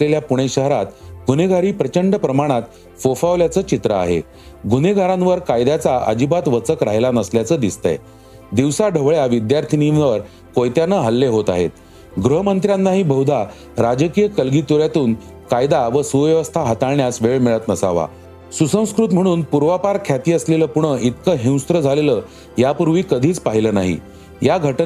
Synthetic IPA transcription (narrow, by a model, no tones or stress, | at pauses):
sleljapuɽ̃eɕəɦɾat̪ɡʱuneɡʱaɾiːpɾət͡ɕəɳɖəpɾəmaɽ̃at̪ | fofaʋljat͡səːt͡ɕit̪ɾəa̰ɦḛ | ɡʱuneɡʱaɾãnʋəɾkajd̪at͡saʔə̰d͡ʑibat̪ʋət͡səkɾaɦjlanəsljat͡səːd̪ist̪ə̰j | d̪iʋsaɖʱəʋɭjaʋid̪jaɾt̪ʰininʋəɾ | kojt̪janəɦəlːeɦot̪a̰ɦḛt̪̚ | ɡɾəɦəmənt̪ɾjãnːaɦiːbʱəɦwd̪ʱa | ɾad͡ʑkijəkəlɡiːt̪uɾjat̪uːn | kajd̪aʋəsuʋjəʋəst̪ʰaɦat̪aɭɳjasʋeɭmiɭət̪nəsaʋa̰ | susə̃w̃skɾut̪m̤əɽ̃uːnpuɾʋapaɾkʰjat̪iːəsleləːpuɳ̃əʔit̪kəɦĩw̃st̪ɾəd͡zʱaleləː | japuɾʋiːkəd̪ʱiːt͡spaɦiləːnaɦḭ | jaɡʱəʈ